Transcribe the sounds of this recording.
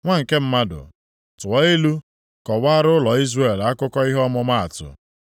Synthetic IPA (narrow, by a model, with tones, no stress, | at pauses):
ŋʷa˦ŋ̩˨ke˦m̩˦ma˦dʊ̰˨ | tʊ˨ɔ˦e˦lu˦ | kɔ˨wa˦ɾʊ˦lɔ˨i˦zre˦˨la˦kʊ˦kɔ˦i˦ɦɔ˦mʊ˦ma˦a̰˨tʊ̰˨